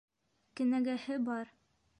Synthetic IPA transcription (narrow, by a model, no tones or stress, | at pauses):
kɘ̆næɡæhɘbɑɾ